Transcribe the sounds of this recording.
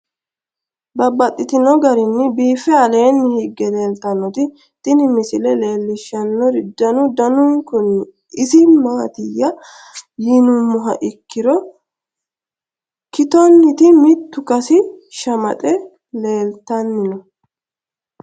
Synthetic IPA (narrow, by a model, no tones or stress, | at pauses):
bɐbɐt̪ʼːɪt̪ɪnɔɡɐɾɪnːɪbiːfɛɐle̞ːnːɪhɪɡːɛle̞ːlt̪ɐnːɔt̪ɪ | t̪ʼɪnɪmɪsɪlɛle̞ːlːɪʃːɐnːɔɾɪd̪ːɐnʊd̪ɐnʊŋkʊnːɪ | ɪsɪmaːt̪ɪjːɐ | jɪnʊmːʊɦɐ̰ʔɪkːɪɾɔ | kɪt̪ɔnːɪt̪ɪmɪt̪ːʊkɐsɪʃɐmɐt̪ʼɛ | le̞ːlt̪ɐnːɪnɔ